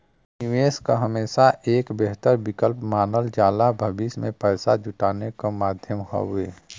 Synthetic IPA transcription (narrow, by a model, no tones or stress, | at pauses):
nɪʋeːskaɦəmeːsaʔeːkbeɦt̪əɾbɪkəlpmaːnəld͡ʒaːlabʱəbismẽpɛːsad͡ʒʊʈaːnekamaːd̪ʱjəmɦa̰ɦueː